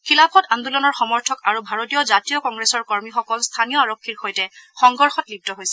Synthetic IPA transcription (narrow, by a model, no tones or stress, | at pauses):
kʰilapʰɔtandulɔnɔɹxɔmɔɹtʰɔkaɹubʱaɹotijɔzatijɔkɔŋɡɹesɔɹkɔɹmixɔkɔlstʰanijɔaɹokʰːiɹxojtɛxɔŋɡɔɹxɔtlib̚tɔɦojsɛ